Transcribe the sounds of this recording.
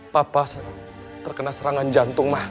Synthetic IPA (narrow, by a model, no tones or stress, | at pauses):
papas | t̪ərkənalsəɾaŋand͡ʒant̪ʊŋmah